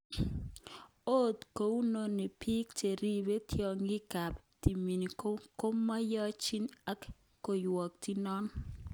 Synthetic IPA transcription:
o˦˨tko˨u˦no˦ni˨pʰi˦kte˨ɾi˦be˦tʰjɔ˨ŋɡɪ˦ka˨pti˨mi˨ni˨o˦ko˦mːa˦jɔ˦t͡ʃi˦na˦kː | o˨jwɔ˨k̚ti˦nɔ˦n

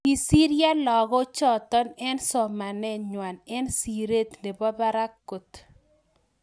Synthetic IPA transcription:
i˨si˦ɾja˦lɔ˨ɡɔ˦t͡ʃɔ˨t̪ɔ˦nɛ˦nsɔ˨ma˨nɛ˦ɲwa˨nɛ˦nsi˨ɾe˦t̪ne˨bɔ˦ba˦ɾa˦kːo˨t̪

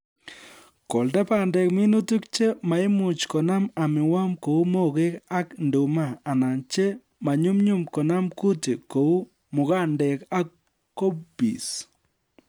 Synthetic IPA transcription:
kɔ˨ldɛ˦pa˨ndɛ˨kmɪ˦nu˦tu˦kt͡ʃe˦ma˨ɪ˦mʊ˨t͡ʃkɔ˨na˦ma˨mɪ˨wa˦mko˨u˦mo˦ɡe˦ka˦kndu˨ma˦˨a˨na˨nt͡ʃe˦ | ma˨ɲu˦mɲu˦mkɔ˨na˦mku˦ti˨ko˨u˦ | mʊ˨ka˦ndɛ˨ka˦kː | o˦bḭ˨s

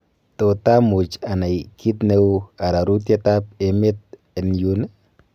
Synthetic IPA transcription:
to˨ta˦mu˨t͡ʃa˨na˨jkʰi˦tne˦wa˨ɾa˨ɾu˦t̬je˦ta˦p̚e˨mɪ˦t̚ | e˨nju˦n

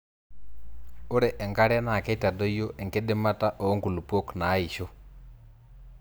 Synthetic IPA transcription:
o˦ɾɛ˨ʔɛ˨ŋɡa˦ɾja˦na˨kɛ˦ita˨dɔ˦jo˦ʔɛ˨ŋɡe˦ɗe˦mata˦ʔɔː˨˦ŋku˨lu˨pwɔ˦knaː˨˦i˨ʃɔ˦

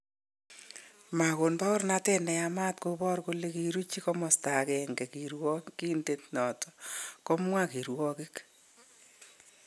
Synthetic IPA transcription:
ma˨ko˨nbɔ˦ʊ˦ɾna˦tɛ˦nɛ˨a˦ma˦tko˦bɔ˦rko˦le˦ki˨ɾu˦t͡ʃi˦kɔ˦mɔ˨sta˨kɛ˨ŋɡɛ˨kiɾwɔ˦ki˦ndetnɔ˨tɔ̥kɔ˦mwa˦ki˨ɾwɔ˦kɪ˦k

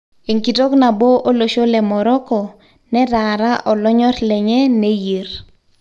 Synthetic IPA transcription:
e˨ŋki˨tɔ˦kna˨bo˦ʔo˦lo˨ʃo˦lɛ˨mɔ˨ɾɔ˦kɔ˨ | nɛ˦ɾa˨ɾa˦ʔɔ˨lɔ˦ɲɔ˦rlɛ˨ɲɛ˦ne˦je˨ɾ

